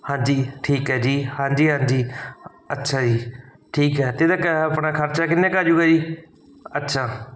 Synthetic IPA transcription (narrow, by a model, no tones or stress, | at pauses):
hãːɲd͡ʒiːʈʰiːkɦɛːd͡ʒiːhãːɲd͡ʒiːɦãːɲd͡ʒiː | ətːʃʰaːd͡ʒiː | ʈʰiːkɦɛːt̪ed̪aːkəəpɽãːkʰəɾt͡ʃaːkɪnːẽːkaːd͡ʒuːɡaːd͡ʒiː | ətːʃʰaː